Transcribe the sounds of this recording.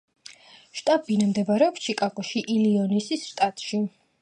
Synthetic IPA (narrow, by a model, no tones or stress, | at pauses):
ʃt̪ʼabinamd̪ɛbaɾɛɔpt͡ʃʰikʼakʼɔʃiʔiliɔnisisʃt̪ʼat̪ʼʃi